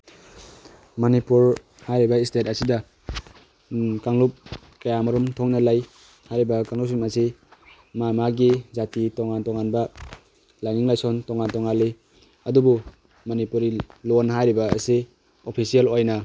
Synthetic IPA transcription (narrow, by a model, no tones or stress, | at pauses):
mɔnipuɾ | hajɾibɐistetasida | kaŋlup̚ | kajamɔɾumtʰɔŋnɐlaj | hajɾibɐkaŋlus̬ɔnmasi | mamaɡizatitɔŋantɔŋanbɐ | lajŋiŋlajsɔntɔŋantɔŋalːi | ɐdubu | mɔnipuɾilonɦajɾibaːsi | opʰisijelojna